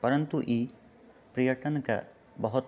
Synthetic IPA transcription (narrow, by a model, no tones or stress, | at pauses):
pɐɾɐnt̪uʔi | pɾijɐʈɐnɔka̰ | bɔɦɔt̪